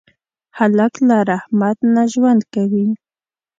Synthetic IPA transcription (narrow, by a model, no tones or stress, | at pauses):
halaklaɾahmat̪naʒwand̪kawi